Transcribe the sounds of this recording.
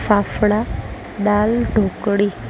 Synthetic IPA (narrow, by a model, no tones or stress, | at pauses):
fafɽa | d̪alɖʱokɽi